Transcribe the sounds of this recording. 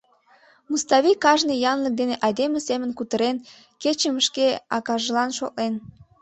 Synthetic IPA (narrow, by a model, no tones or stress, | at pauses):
must̪ɑβikɑʒnijɑnlək̚d̪eneʔɑjd̪emesemənkut̪əɾen | ket͡ɕəməʃkeɑ̰kɑʒəlɑnʃoʔ̚len